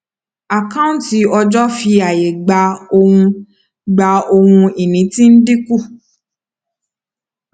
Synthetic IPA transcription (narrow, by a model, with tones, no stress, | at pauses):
a˨kã˦ti˧˦ɔ˧d͡ʒɔ˦fi˧a˨je˨ɡ͡ba˧o˧hũ˧ | ɡ͡ba˧o˧hũ˧i˨nĩ˨˦tĩ˦n̩˦di˦ku˦˨